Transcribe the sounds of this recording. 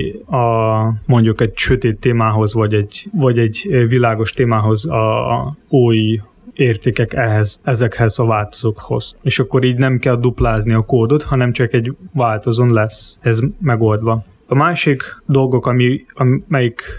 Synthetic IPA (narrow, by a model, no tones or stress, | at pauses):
ɒmo̞ɲɟukɛɟʃøt̪eːt̪ːeːmaːɦo̞zvɒɟɛɟvɒɟɛɟvilaːɡo̞ʃt̪eːmaːɦo̞zɒ | oːj | eːrt̪eːkɛkɛɦɛzɛzɛkhɛzɒvaːlt̪o̥zoːkho̞̰z̥eːʃɒkːo̞ɾiːɟnɛmkɛld̪uplaːzniɒkoːd̪o̞t̪hɒnɛmt͡ʃɒkɛɟvaːlt̪o̞zonlɛsɛhɛzmɛɡo̞ld̪ʋɒ | ɒmaːʃikd̪o̞lɡo̞kɒmiɒmɛjik